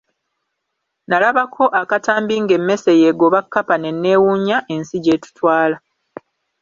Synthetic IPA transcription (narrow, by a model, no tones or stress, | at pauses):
nalaβakʰo̞ʔakataːmbiŋɡe̞mːe̞seje̞ɡo̞βakːapane̞nːe̞ːwuɲaʔe̞nsiɟe̞ːtu̥twaːla